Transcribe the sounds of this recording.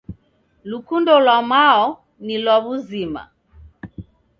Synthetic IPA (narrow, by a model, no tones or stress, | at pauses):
lukundɔlwamaɔ | nilwaβuzima̰